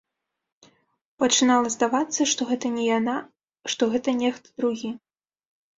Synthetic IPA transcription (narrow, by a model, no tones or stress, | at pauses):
pɐt͡ʂɨnalˠɐzd̪avat̪sːɐʂt̪ɔɣɛt̪ɐnʲɛjana | ʂt̪ɔɣɛt̪ɐnʲɛxt̪d̪ɾuɣʲi